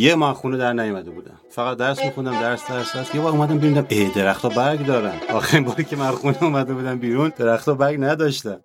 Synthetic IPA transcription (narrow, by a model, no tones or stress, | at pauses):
jemɒxuːned̪æɾnæjomæd̪ebuːd̪æ̰mfæɣæt̪̚d̪æɾsmixund̪æmd̪æɾsd̪æɾsæsjebɒːɾumæd̪æmbeund̪æmed̪e̞ɾæxt̪ʰɒːbæɾɡd̪ɒːɾænɒ̰ːxæɾiːmbɒːɾicʲʰemæxuneumæd̪ebuːd̪æmbiːɾund̪e̞ɾæxt̪ʰɒːbæɾɡnæd̪ɒːʃt̪æm